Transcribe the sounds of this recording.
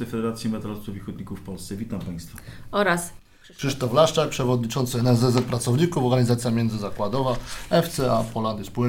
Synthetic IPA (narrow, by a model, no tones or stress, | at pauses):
ɛjfɛd̪ɛɾat̪sʲjimɛt̪ɾalt̪uvʲixɔd̪̚ɲikufːpɔlst̪sɛvʲit̪ampaj̃st̪faɔɾas | kʂɘʂt̪ɔflaʂt͡ʂak̚pʂɛvɔd̪̚ɲit͡ʂɔnt̪sɘɛnɛzɛzɛt̪̚pɾat̪sɔvɲikufɔɾɡaɲizat̪sʲjamʲɛnd̪zɘzakwad̪ɔvaɛft̪sɛapɔland̪ispu